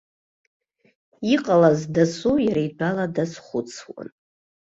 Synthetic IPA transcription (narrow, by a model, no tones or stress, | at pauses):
iqʼalazdasujaɾajdʷaladasχʷʊt͡sʰwa̰n